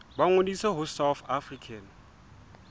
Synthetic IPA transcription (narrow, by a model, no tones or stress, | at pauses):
ɓaŋonisɛɦʊsawθafrikʰan